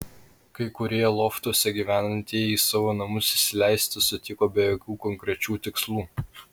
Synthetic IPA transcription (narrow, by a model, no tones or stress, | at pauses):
kɐɪkʊɾʲiːjɛlˠɔːft̪uɔsʲɛɡʲiːʋʲæːnɐnʲt̪ʲijɛiːsɑʋoːnɐmʊsɪʃsʲɪlʲæˑɪsʲt̪ʲɪsʊt̪ʲɪkoːbʲɛjoːkʲuːkɔŋʲkɾʲɛt͡ʃʲuːt̪ʲɪkslˠuː